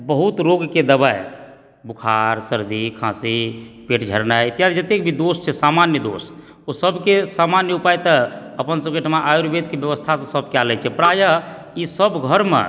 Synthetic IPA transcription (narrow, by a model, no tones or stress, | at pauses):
bəɦut̪ɾoɡked̪əbaj | bukʰaɾsəɾd̪ikʰãsipeʈd͡ʒʱəɾnajit̪ijasid͡ʒət̪ekbʱid̪ost͡ʃʰɛsamanjəd̪o̰s | osəbkesamanjəupajt̪əəpənsəb̚keʈʰəmãʔajoɾbed̪kebjəβəst̪ʰasə̃səbʱkealɛt͡ʃʰɛpɾajə | isəbɡʱəɾmḛ